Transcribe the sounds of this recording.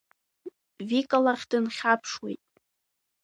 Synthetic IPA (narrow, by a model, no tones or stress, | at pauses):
vikʼalaχʲd̥ɨnχʲapʰʂwḛjtʼ